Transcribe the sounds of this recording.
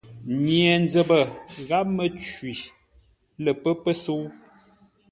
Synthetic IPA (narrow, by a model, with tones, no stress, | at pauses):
ɲi˨ɛ˨nd͡zə˨bə˨ɣa˦p̚mə˨t͡ʃɥi˨ | lə˨pə˦pə˦so˦w